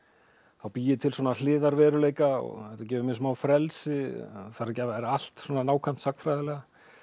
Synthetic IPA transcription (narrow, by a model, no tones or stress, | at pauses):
θawpiːjɪt̪ʰɪlsɔːnalɪːðaɾvɛːɾʏleːjkaɔ̰ɣɛht̪acɛːvʏmɪnsmaːwfɾɛlsɪθaɾacɛvðaɛɾal̥t̪sɔnanaːwkʰam̥t̪sakfɾaːjðɪlɛːɣa